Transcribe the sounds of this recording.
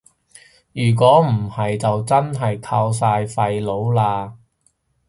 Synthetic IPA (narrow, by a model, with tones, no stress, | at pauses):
jyː˨˩k̬ʷɔː˨˥m̩˨˩hɐ˨jt͡sɐ˨wt͡sɐ˥nɦɐ˨jkʰaː˧ws̬aː˧jfɐ˧jlo˨˥wlaː˧